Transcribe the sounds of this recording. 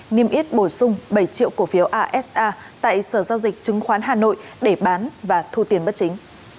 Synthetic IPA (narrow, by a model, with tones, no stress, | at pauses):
ni˧əmʔi˦˥ət̚ɓo˧˩sʊ˧ŋ͡mɓə˧˩jt͡ɕḭ˧˨əwku˧˩fi˨˦əwʔaː˧ʔɛ˦˥sʔaː˧ | t̪a̰ː˧˨jsəː˧˩zaː˧wzi˨˩k̚t͡ɕɨ˨˦ŋxwaː˨˦nɦaː˨˩no̰˧˨jɗe˧˩ɓaː˨˦nvaː˨˩t̪ʰu˧t̪i˨˩ənɓə˦˥t̚t͡ɕï˨˦ŋ̟